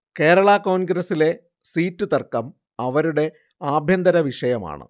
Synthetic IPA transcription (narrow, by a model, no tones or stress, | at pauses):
ke̞ːɾɐɭɐko̞ːnɡɾɐsile̞ | siːtːut̪ɐrkːɐm | ɐʋɐɾuɽe̞ | aːbʱjɐnd̪ɐɾɐʋiʂɐjɐma̰ːɳɨ̰